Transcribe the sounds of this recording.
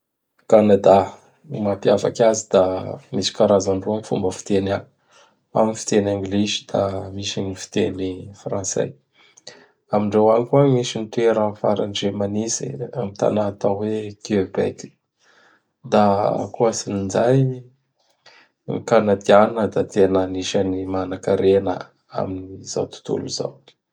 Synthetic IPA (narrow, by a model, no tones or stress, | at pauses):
kanad̪a | mapjava̰kʲazid̪̥amisi̥kaɾazaɳɖ͡ʐuanifṵmbəfi̥t̪ena | a̰minifi̥t̪enaŋɡlezi̥d̪amiʃaɲifi̥t̪enifrãnsḛ | amiɳɖ͡ʐewanikuamisint̪eɾəfaɾanɖ͡ʐemanisḭamit̪a̰nat̪awekiøbɛ̰kʲi̥ | d̪a̰kuasinind͡ʒaj | ikanat̪ianinəd̪at̪enaniʃanimanakaɾenə̰ | a̰miniza̰wt̪u̥t̪ṵlṵza̰w